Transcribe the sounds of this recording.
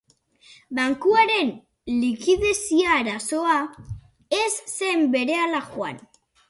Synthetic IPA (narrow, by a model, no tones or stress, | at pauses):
baŋkuaɾe̞n | likiðe̞siaːɾaso̞a | e̞sːe̞mbe̞ɾe̞alaxwa̰n